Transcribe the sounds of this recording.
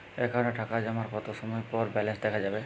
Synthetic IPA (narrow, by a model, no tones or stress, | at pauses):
ekaɾɔneʈʰakad͡ʒamaɾkɔt̪oʃɔmɔjpɔɾbɛlensd̪ɛkʰad͡ʒabe